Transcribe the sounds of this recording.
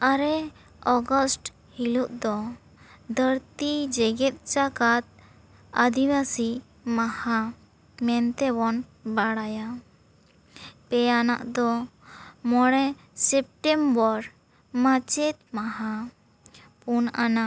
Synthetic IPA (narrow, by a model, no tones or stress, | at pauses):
aɾɛ | ɔɡɔsʈ | hiluʔ̪̚d̪ɔ | d̪əɾt̪id͡ʒɛɡɛt̪̚t͡ʃakat̪̚ | ad̪ibasi | maha | mɛnt̪ɛbɔnbaɽaja | pɛjana̰ʔd̪ɔ | mɔɽɛ | sɛp̚ʈɛmbɔɾ | mat͡ʃɛt̪̚maɦa | punana